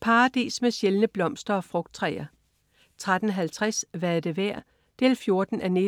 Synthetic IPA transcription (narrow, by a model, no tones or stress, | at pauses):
pʰɑ̈ːd̥e̝̰ːsmeɕelnəb̥lɒ̽m̰sd̥ɐɒ̽fʁɔ̽ɡ̥d̥̚t͡sʰʁɛɪɐ | t͡sʰʁad̥n̩ɦælt͡sʰʁasʋææɐd̥e̝ʋæɐ̰ | d̥ḛːlfjo̝ɐd̥n̩ʔæne